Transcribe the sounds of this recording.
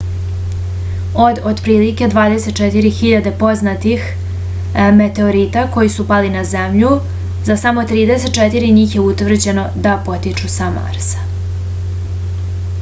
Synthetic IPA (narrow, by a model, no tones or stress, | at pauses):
o̞d̪od̪pɾiːlike̞d̪ʋaːd̪e̞set̪̚t͡ʃet̪iɾixiʎad̪e̞po̞znat̪ix | me̞t̪e̞o̞ɾit̪ako̞jisupalinazemʎu | zasamo̞t̪ɾiːd̪e̞set̪̚t͡ʃet̪iɾiɲiːxjeut̪ʋr̩d͡ʑe̞no̞d̪apo̞t̪it͡ʃusama̰ɾsḁ